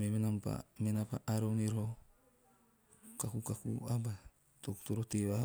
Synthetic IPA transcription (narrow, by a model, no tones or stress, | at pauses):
memenampa̰menapaʔaɾoŋiɾo | kakukakṵaba | t̪okt̪uɾot̪ewaɦ